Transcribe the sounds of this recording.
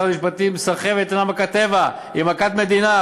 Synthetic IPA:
amiʃpat̪imsaχevet̪anamakat̪eva | imakat̪me̞d̪ina

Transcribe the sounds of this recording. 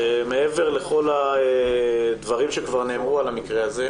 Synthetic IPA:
emee̞ve̞ʁle̞χo̞laed̪vaʁimʃekvaʁne̞ːmʁualamikʁeaze̞

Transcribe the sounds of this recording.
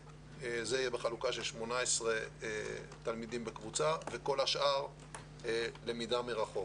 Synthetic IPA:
ezeijebeχalukaʃelʃmo̞naesʁe | t̪almid̪imbekvut͡save̞ko̞laʃʔaʁ | ele̞mid̪ameʁaχo̞k

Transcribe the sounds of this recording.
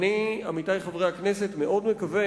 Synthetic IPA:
niamit̪ajχavʁejaknesetme̞ʔod̪mekave

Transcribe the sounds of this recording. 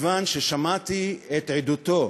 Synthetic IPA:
vanʃeʃamat̪iet̪ʕed̪ut̪o̞

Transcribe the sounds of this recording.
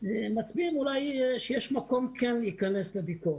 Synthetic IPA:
emat͡sbimulajʃejɛʃmako̞mkʰɛnikaneslebikoe

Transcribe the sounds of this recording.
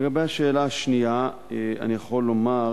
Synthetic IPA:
eɡabejhaʃe̞ːlaaʃnija | ea̰nijaχo̞lːo̞ma

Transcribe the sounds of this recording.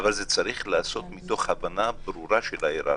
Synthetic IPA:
avalzet͡saɾiχlaːso̞t̪mit̪o̞χhavanabɾuɾaʃelhaeɾa̰

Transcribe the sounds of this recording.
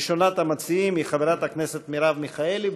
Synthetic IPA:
ʃonat̪hamat͡siimiχaveɾat̪hakneset̪miɾavmiχaeli

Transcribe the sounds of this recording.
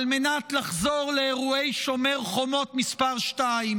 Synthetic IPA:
lme̞natlaχzo̞ʁleːʁue̞jʃo̞me̞ʁχo̞mo̞tmispaʁʃtaim

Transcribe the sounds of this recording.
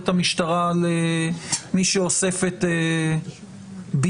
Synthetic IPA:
t̪hamiʃt̪aʁale | miʃeose̞fet̪e | bi

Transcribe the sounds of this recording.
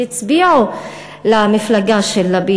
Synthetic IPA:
ɪt͡sbiːʕu | lamɪflaɡaʃɛlːabiː

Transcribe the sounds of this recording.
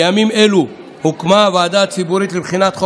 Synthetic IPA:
amimelu | hukmavaːd̪at͡sibuɾit̪libχinat̪χo

